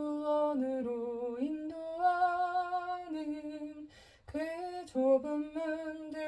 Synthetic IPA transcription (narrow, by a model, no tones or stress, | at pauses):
uwʌnɯɾoinːuwʌ | nɯ | kɯt͡ɕobɯmmɯndɯ